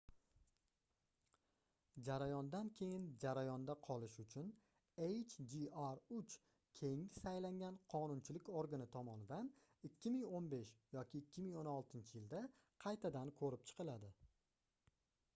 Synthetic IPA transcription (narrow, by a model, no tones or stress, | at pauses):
d͡ʒaɾajɒnd̪ankʲʰe̞jɪnd͡ʒaɾajɒnd̪aqʰɒlˠɪʃʊt͡ʃʰʊn | ejt͡ʃʰd͡ʒiaɾʊt͡ʃ | kʲʰe̞jɪŋɪsajlaŋɡʲanqʰɒnʊnt͡ʃʰɪlɪkʲoɾɡanɪt̪ʰɒmɒnɪd̪an | ɪkʲʰːɪmɪŋonbe̞ʃjɒkʲʰɪːkʲʰːɪmɪŋonɒlˠt̪ʰɪnt͡ʃʰɪjɪld̪a | qʰɑjt̪ʰad̪ankʰɵɾɪp̚t͡ʃʰɨ̥qʰɨlad̪ɪ